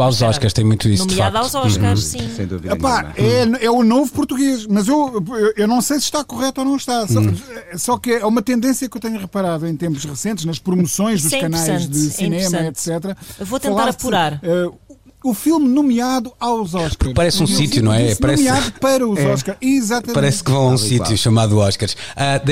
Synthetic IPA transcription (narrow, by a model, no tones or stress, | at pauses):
awzɔʃkɐɾʃt̪ɐ̃j̃mũj̃t̪uḭsnud̪akðazɔʃãɾĩsḛ̃j̃d̪ṵvḭðɐpa̰ɛɛunovupuɾt̪uɣeʃmɐzewewewnɐ̃w̃sejsɨ̥ʃt̪akuʁɛt̪uonɐ̃w̃ʃt̪asɔsɔkɨɛumɐt̪ẽnd̪ẽsjɐkewt̪ɐɲɐʁɨpɐɾaðuẽj̃t̪ẽmpuʃʁɨsẽnt̪ʃnɐʃpɾumusõj̃ʒd̪uʃkɐnajʒðɨsinemɐɛt̪sɛt̪ɾɐevot̪ẽɐlˠt̪aaɾɐpuɾaɾɛ | ufilˠmnumiaðuawzɔʃkaɾʃpɐɾɛsũsit̪junɐ̃w̃ɛnpɐɾɛmiaðupɐɾɐuzɔʃkaɾiːzat̪ɐmpɐɾɛskvɐ̃w̃ɐũssijuʃɐmaðuɔʃkaɾʃad̪